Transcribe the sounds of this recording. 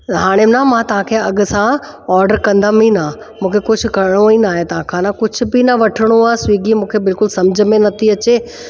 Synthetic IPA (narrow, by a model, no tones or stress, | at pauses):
ɦaːɽ̃emnamãt̪ɐʋ̤ãkʰeɐɡʊ̆sã | ɔːɾɖəɾkɐ̃nd̪amĩna | mũːkʰekʊd͡ʑʰʱʊ̆kɐɾɽ̃oinaːɦet̪ɐʋ̤ãkʰãːnãkʊd͡ʑ̆ʱbɪnaʋɐʈʰɪɽ̃oaːswiːɡimũːkʰebɪlkʊlsɐmd͡ʑʱmẽnɐt̪ʰiɐt͡ɕeː